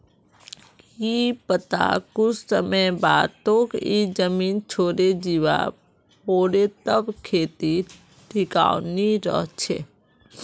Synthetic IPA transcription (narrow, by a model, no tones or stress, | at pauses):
iːpət̪a̰kʊt͡ʃʰsəməjbaːd̪t̪õːkid͡ʒəmiːnt͡ʃʰoːɾed͡ʒiʋa̰ | poːɽet̪əbkʰeːt̪i | ʈʰɪka̰ːwniɾɔ̰ɦt͡ʃʰḛː